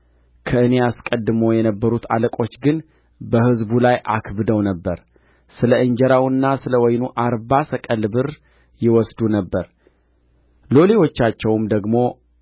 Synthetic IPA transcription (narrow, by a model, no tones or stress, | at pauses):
kʰəɨne̞askʼəd̪ːɨmojɛnəbːəɾut̪ʰa̰ləkʼo̞t͡ʃːɡɨn | bəhɨzbulajʔa̰kʰbɨd̪əwnəbːəɾ | sɨləɨɲd͡ʒɛɾawɨnːasɨləwɔjnuʔaɾbasəkʼəlbɨɾ | jɪwɔsd̪unəbːəɾ | lo̞le̞wo̞t͡ʃːat͡ʃːɛwmd̪əɡmo̞